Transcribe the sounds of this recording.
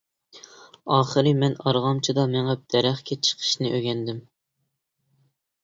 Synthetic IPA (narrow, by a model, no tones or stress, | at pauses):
ɑːχəɾɨmɛnɑɾʁɑmt͡ʃʰid̪ɑmɛŋɛp̚d̪̥ɛɾæχkʲʰɛt͡ʃʰə̥qʰə̥ʃnɪʔøɡʲɛnd̪ɪm